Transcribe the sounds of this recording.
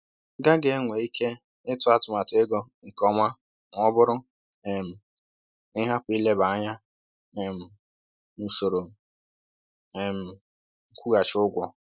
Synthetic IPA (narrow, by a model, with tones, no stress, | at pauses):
ɡa˦ɡe˦ŋʷe˨i˦kʰe˦ | ɪ˦tʊ˦a˦tʊ˨ma˨te˦ɡɔ˦ŋ̩˨kɔ˨ma˦ | ŋʷ˦ɔ˦bʊ˦ɾʊ˦ | ɛ˨m̩˨ | ɪ˦ɦa˦pʷi˦le˦ba˨a˦ɲa˦ | ɛ˨m̩˨ | n̩˨so˨ɾo˨ | e˨m̩˨ | ŋ̩˨kʷu˦ɡa˨t͡ʃɪ˨˦ʊ˦ɡʷɔ˨